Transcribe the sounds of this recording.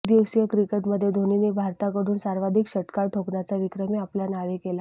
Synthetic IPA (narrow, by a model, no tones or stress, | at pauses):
d̪iwsijəkɾikeʈməd̪ʱːjed̪ʱoninebʱaɾt̪akəɽ̤uːnsaɾʋad̪ʱikɕəʈkaɾʈʰoknat͡saʋikɾəmeapljanaʋekela